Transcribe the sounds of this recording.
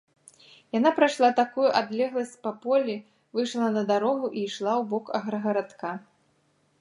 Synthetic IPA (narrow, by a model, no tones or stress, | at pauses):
jan̪apɾajʂlˠat̪akujuʔad̪lʲɛɣlˠɐsʲt͡sʲpɐpɔlʲi | vɨjʂlˠɐnɐd̪aɾɔɣuʔiʂlˠawbɔkɐɣɾɐɣɐɾat̪ka